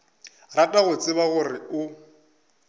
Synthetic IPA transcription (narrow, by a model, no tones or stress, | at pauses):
ratʼaɣʊt͡sʼɪβaɣʊrɪʊ